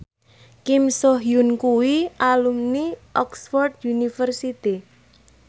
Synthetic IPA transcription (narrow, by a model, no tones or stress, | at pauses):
kimsɔɦiunkuwiʔalumniʔɔksfɔrd̪̚junifərsit̪i